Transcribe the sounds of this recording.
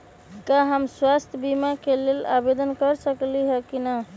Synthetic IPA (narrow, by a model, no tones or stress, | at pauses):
kaɦəmswast̪ʰjəbimakelela̰bed̪ənkəɾsəkliɦɛkina